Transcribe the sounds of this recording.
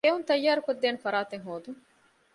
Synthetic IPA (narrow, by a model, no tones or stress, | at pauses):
eːɦunt̪ɐjːaːɾukod̪ːeːnfɐɾaːt̪eŋɦoːd̪u